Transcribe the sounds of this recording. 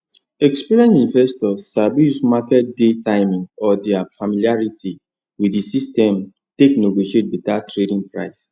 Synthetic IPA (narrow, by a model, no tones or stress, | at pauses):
ɛkspiɾiɛ̃nsĩnvɛstɔsabusmakɛt̚detaɪmĩŋɡɔdiafamiliaɹiti | wiisistɛ̃m | tekneɡoʃet̚bitatɹedĩŋpɹa̰ɪs